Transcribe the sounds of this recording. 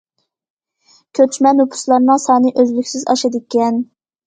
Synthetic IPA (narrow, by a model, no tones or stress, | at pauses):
kʲʰøt͡ʃʰmɛnupʰu̥slˠɑɾnɨŋsɑːnɨʔøzlykʲsɪzɑ̰ʃɨd̪ɨkʲɛn